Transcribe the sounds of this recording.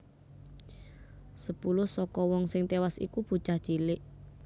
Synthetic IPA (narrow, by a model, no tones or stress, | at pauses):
səpulʊhsɔkɔwɔŋsɪŋt̪ewasḭkub̥ṳt͡ʃahd̥ʒ̥ilɪʔ